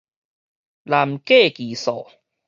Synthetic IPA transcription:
la˧mkeː˥˩kiː˨˩˦sɔ̰ː˨˩˦

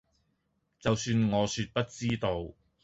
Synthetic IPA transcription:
t͡sɐ˨wsyː˧nŋɔː˨˧syː˧t̚pɐ˥t̚t͡siː˥t̪o˧w

